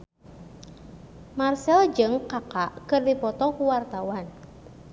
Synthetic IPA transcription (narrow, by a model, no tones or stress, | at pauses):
marsɛld͡ʒɨŋkakaʔkɨrdipɔt̪ɔkuwart̪awan